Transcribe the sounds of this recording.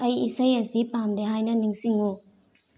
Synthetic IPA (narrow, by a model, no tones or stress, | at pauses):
ɐjisɐjɐsipamdeɦajnɐniŋsiŋu